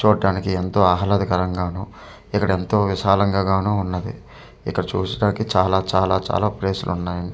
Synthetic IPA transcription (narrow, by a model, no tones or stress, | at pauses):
t͡ʃuːɐɖaːnikient̪o̞ːaːɦɐlɐd̪ikɐɾɐŋɡaːnuː | ikːɐɽɐe̞nt̪o̞ːʋiʃaːlɐŋɡaːɡaːnuunːɐd̪ḭ | ḭkːɐɽɐt͡ʃṵːsɐʈaːnikit͡ʃaːlaːt͡ʃaːlaːt͡ʃa̰ːlaːpleːsṵlʔunːaːjɐ